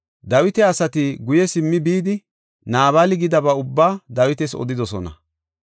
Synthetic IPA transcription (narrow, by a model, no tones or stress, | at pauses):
d̪ɐwɪt̪ɛɐsɐt̪ɪɡʊjɛsɪmːɪbiːd̪ɪ | naːβaːlɪɡɪd̪ɐbɐʊbːaːd̪ɐwɪt̪ɛsɔ̰d̪ɪd̪ɔsɔnɐ̰